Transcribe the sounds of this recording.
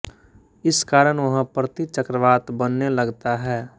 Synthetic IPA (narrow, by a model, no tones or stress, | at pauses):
ɪskaːɾəɽʋɐɦãpɾət̪it͡ʃəkɾəʋaːt̪bənːelɐɡt̪aɦɛː